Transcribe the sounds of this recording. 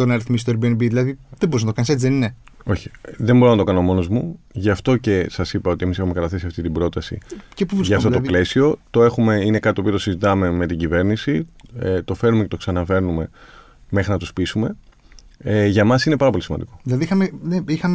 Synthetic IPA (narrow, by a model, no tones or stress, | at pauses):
onɐɾiθmist̪oebienbiðilɐðiðebo̞ɾiznɐt̪oɐniset͡siðenineo̞çi̥ðe̞mbo̞ɾo̞nɐt̪o̞kɐnomo̞no̞zmuʝɐft̪o̞ce̞sɐsipɐo̞t̪ie̞misexumekɐt̪ɐθe̞siɐft̪it̪ibɾo̞t̪ɐsḭcepovɾisʝɐːft̪ot̪ple̞sio̞t̪o̞e̞xume̞ine̞kɐt̪it̪opio̞t̪o̞sizit̪ɐme̞me̞t̪iɟive̞ɾnisiet̪o̞fe̞numce̞t̪o̞ksɐnɐve̞ɾnume̞ | me̞xɾinɐt̪uspisume̞ | ʝɐmɐsinepɐɾɐp̬o̞lisimɐ̰nd̪iko̞ðilɐðiixɐmeneixɐm